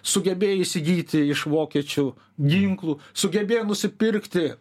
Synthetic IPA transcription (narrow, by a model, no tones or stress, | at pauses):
sʊɡʲɛbʲeːjiʃsʲɪɡʲiːt̪ʲɪɪʃʋoːkʲiɛt͡ʃʲuː | ɡʲiŋklˠuːsʊɡʲɛbʲeːjnʊsʲɪpʲɪɾʲkt̪ʲɪ